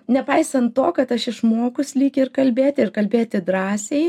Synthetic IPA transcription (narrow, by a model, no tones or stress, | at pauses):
nʲɛpɐɪsɐnt̪t̪oːkɐt̪ɐʃɪʃmoːkʊsʲlʲiːkʲɪɪrkɐlʲbʲeːt̪ʲɪɪɾkɐlʲbʲeːt̪ʲɪd̪ɾɑːsʲɛɪ